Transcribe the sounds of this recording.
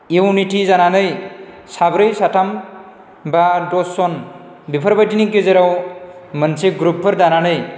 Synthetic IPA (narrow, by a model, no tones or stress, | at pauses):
ewniʈʰizananɯj | sabɾɯjsatʰam | badɔsɔn | bipʰəɾbajtinik̬ezeɾawmənsʰeɡɾupʰːɯɾdananɯj